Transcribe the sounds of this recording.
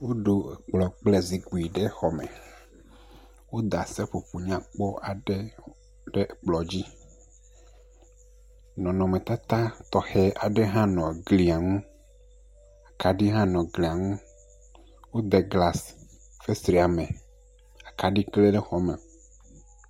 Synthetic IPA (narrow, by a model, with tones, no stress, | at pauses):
wo˦ɖo˨k͡plɔ˨k͡plɛ˦zi˨ɡu˨i˨ɖe˦xɔ˨mɛ̰̃˨ | wo˦d̪a˨sɛ˦ɸo˨ɸu˨ɲã˨k͡pɔ˦a˨ɖɛe˦ | ɖɛ˦˨k͡plɔ˨d͡ʑi˦ | nɔ̃˨nɔ̃˨mɛ̃˨t̪a˦t̪a˦t̪ɔ˨hɛ˦ʔa˨ɖe˦ɦã˦nɔ̃˨ɡli˨a˨ŋũ˦ | a˨ka˨ɖi˦ɦã˦nɔ̃˨ɡli˨a˨ŋũ˦ | wo˦d̪ɛ˨ɡla˦s | fe˦sɾi˨a˨mɛ̃˨ | a˨ka˨ɖi˦kle˦ɖɛ˦xɔ˨mḛ˨